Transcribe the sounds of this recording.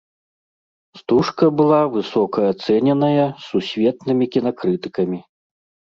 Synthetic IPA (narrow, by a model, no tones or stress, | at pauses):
st̪uʂkɐbɨlˠavɨsɔkɐːt̪sɛnʲɛnɐjɐsːusʲvʲɛt̪nɨmʲikʲinakɾɨt̪ɨ̥kɐmʲi